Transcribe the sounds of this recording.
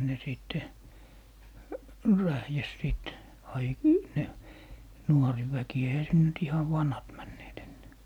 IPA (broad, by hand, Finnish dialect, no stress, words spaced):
ne siˑtːe ræhjæs siˑt ɑi ne nuoriʋæki eihæ sin nyt ihɑʋ ʋɑnhɑt mænːeːt enːæː